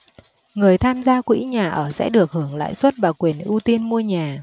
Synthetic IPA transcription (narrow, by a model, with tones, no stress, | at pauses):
ŋɨ˨˩əjt̪ʰaː˧mzaː˧kwḭ˧˥ɲaː˨˩ʔəː˧˩sɛ̰˧˥ɗɨ˨˩ək̚hɨ˧˩əŋla̰ː˧˨jswə˦˥t̚vaː˨˩kwi˨˩ənʔu˧t̪i˧nmu˧əɲaː˨˩